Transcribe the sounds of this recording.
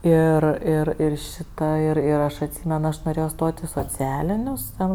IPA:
ˈɪr ˈɪr ɪr ˈʃʲɪtɐ ɪr ɪr ˈɐʃ ɐtʲˈsʲiːmʲɛn ˈɐʃ noːˈrʲeːjoː ˈstoːtʲ ɪ soːˈt͡sʲæːlʲɪnʲʊs ˈtʲɛn

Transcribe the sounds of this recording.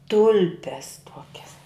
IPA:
ˈtʊlʲpʲɛs ˈtuɔkʲɛs

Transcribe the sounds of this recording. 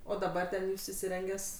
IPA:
ˈoː dɐˈbɐr tʲɛn ˈjuːs iːsʲɪˈrʲɛŋʲɡʲæːs

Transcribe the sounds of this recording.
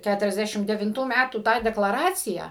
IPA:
ˌkʲætʊrʲɛzʲˈdʲæʃʲɪm dʲɛʋʲɪnˈtuː ˈmʲætuː ˈtɑː dʲɛklˠɐˈrɑːt͡sʲɪjæː

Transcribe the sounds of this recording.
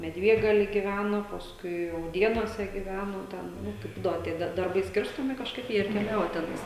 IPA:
mʲɛdʲˈʋʲiɛɡɐlʲiː ɡʲɪˈʋʲænoː pɐsˈkʊɪ rɐʊˈdʲeːnuɔsʲɛ ɡʲɪˈʋʲænoː ˈtʲɛn ˈnʊ kɐɪ ˈbuːdɐʋoː tʲiɛ dɐr dɐrˈbɐɪ ˈsʲkʲɪrstoːmʲɪ kɐʃˈkɐɪp ˈjiɛ ɪr kʲɛˈlʲæːʋoː tʲɛˈnɐɪs

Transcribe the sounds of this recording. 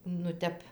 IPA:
nʊ ˈtʲɛp

